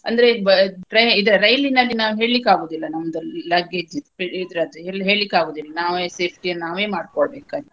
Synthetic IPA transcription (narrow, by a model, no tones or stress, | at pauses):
ɐ̰nd̪ɐɾebɐɾɐjid̪ɾɐɾɐjlinɐlːinaːʋuɦe̞ːɭlikːaːɡoːd̪ilːɐnɐmːɐd̪ɐlɐɡed͡ʒipid̪ɾɐd̪eɦe̞ːɭlikːaːɡoːd̪ilːɐnaːʋeːseːp̚ʰʈiɐnnaːʋeːmaːɖ̚kɔɭbeːkant̪